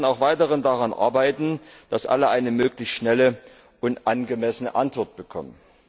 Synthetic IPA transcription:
naʊxv̥aɪtəʁəndaʁanʔa̰ɐbaɪtn̩d̥asʔa̰ləʔaɪnəmøːklɪçstʃnɛlə | ʔʊntʔanɡəmɛsənə̰ʔantv̥ɔɐt̚b̥əkʰɔ̰mən

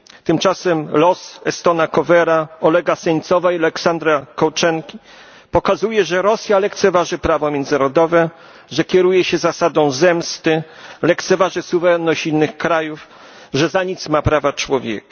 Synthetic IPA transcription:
t̪ɘmt͡ʂasɛmlɔsɛst̪ɔnakɔvɛɾaɔlɛɡasɛɲt̪sɔvaialɛksand̪ɾakɔwt͡ʂɛŋkʲi | pɔkazujɛʐɛɾɔsʲjalɛkt̪sɛvaʐɘpɾavɔmjɛnd̪zɘnaɾɔd̪ɔvɛ | ʐɛkʲɛɾujɛɕɛzasad̪ɔ̃w̃zɛmst̪ɘlɛkt̪sɛvaʐɘsuvɛɾɛnːɔɕt͡ɕinːɘxkɾajuf | ʐɛzaɲit̪smapɾavat͡ʂwɔvʲjɛ̰kḁ

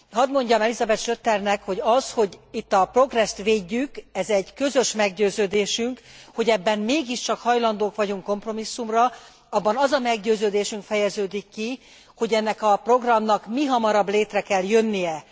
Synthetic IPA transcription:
ɦɒd̪mo̞ɲɟɒmɛlizɒbɛt̪ʃøt̪ːɛrnɛkho̞ɟɒsho̞ɟit̪ːɒpro̞ɡrɛst̪ʋeːɟːykɛzɛɟkø̞zø̞ʃmɛɡɟøːzøːd̪eːʃyŋkho̞ɟɛbːɛmmeːɡiʃt͡ʃɒkhɒjlɒnd̪oːkʋɒɟuŋko̞mpro̞misːumrɒ | ɒbːɒnɒzɒmɛɡɟøːzøːd̪eːʃyŋkfɛjɛzøːd̪ikːi | ho̞ɟɛnːɛkɒpro̞ɡrɒmnɒkmiɦɒmɒɾɒbleːt̪rɛkɛljø̞nːijɛ

